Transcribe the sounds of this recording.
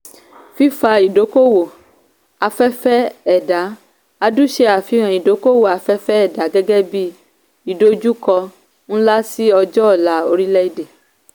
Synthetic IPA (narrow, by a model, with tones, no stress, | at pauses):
fi˦fa˧i˨do˨˦ko˦wo˨ | a˧fɛ˦fɛ˦ɛ˦˨da˨˦ | a˧du˦ʃe˧a˨fi˨˦ɾ̃ã˨i˨do˨˦ko˦wo˦˨a˨˧fɛ˦fɛ˦ɛ˦˨da˨˦ɡɛ˦ɡɛ˦bi˦ | i˨do˨˦d͡ʒu˦kɔ˧ | ñ̩˦la˦si˦ɔ˧d͡ʒɔ˦˨la˨˦o˧ɾi˦lɛ˦i˦˨de˨